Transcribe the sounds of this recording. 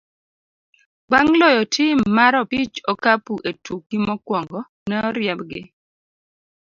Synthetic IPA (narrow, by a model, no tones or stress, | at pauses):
baŋlɔjɔtʰɪmːaɾɔpit͡ʃɔkapuʔetuk̚ːimɔkwɔŋɡɔ | nɛɔɾjɛbɡɪ̰